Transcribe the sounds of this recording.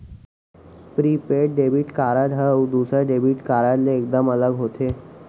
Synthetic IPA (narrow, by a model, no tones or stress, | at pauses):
pɾipeʈ̚ɖebʱiʈkaɾad̪ɦəud̪usɾaɖebʱiʈkaɾatleːk̚d̪əmələɡɦot̪ʰe